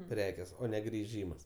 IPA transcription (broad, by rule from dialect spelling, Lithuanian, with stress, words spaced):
ˈpʲrʲæːkʲeːs ˈoː ˈnʲɛ ɡrʲɪˈʒʲiːmɐs